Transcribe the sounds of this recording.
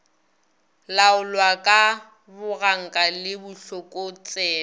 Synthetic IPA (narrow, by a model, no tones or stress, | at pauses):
laʊlwakʼa | bʊɣaŋ̩kʼalɪbʊɬɔkʼot͡sʼɛː